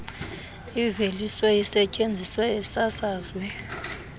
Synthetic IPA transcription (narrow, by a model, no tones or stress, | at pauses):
iveliswɛjisɛcʼend͡zʱiswɛːsasaːzwɛ